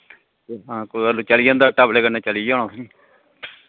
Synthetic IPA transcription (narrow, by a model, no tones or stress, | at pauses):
ɦãːkoaluːt͡ʃəlijãːnd̪aːʈaːbleːkəneːt͡ʃəliːãːɽ̃õːsĩː